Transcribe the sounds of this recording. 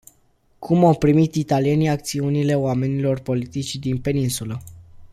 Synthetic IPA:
kʰumawpɾimit̪it̪alie̞niak̚t̪siunile̞wame̞nilo̞rpo̞lit̪it͡ʃʲd̪inpe̞ninsulə

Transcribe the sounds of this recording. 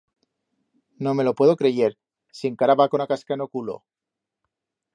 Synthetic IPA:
no̞me̞lo̞pwe̞ðo̞kɾe̞ʝe̞ɾ | sieŋkaɾaβakonakaskaeno̞kulo̞̰

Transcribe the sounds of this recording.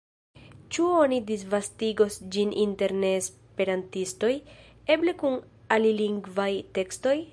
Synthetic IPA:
t͡ʃuonidisvastiɡo̞sd͡ʒininte̞ɾne̞ːs | pe̞ɾantisto̞j | e̞ble̞kun | aliliŋɡvajte̞ksto̞j

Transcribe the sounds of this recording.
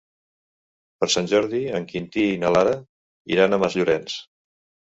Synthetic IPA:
pəɾsanʲʒɔɾðiəŋkint̪iːnəlaɾə | ḭɾanəməzʎuɾɛns

